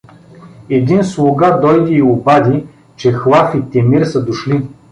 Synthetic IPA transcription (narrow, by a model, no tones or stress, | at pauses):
ɛd̪inslˠʊɡad̪ɔjd̪iːʊbad̪i | t͡ʃɛxlˠafit̪ɛmiɾsəd̪ʊʃli